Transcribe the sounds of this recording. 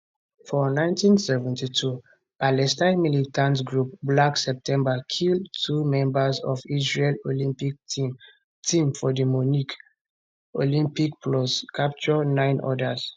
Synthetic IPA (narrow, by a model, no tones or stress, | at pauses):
fɔnãɪ̃ntĩnsɛvɛ̃ntitʰu | palɛstãɪ̃nmilitʰãntɡɹup̚blaksɛp̚tʰɛ̃mbakʰildtʰumɛ̃mbəzɔfisɹelolĩmpik̚tĩm | tʰĩmfɔdimunik | olĩmpikpʰlɔskʰap̚t͡ʃɔnãɪ̃nʔɔ̰das